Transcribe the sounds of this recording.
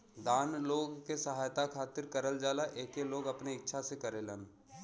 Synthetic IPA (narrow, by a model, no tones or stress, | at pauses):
d̪aːnloːɡkesəɦaːjt̪akʰaːt̪ɪɾkəɾəld͡ʒaːlaʔeːkeloːɡɐpneɪtːʃʰasekəɾelən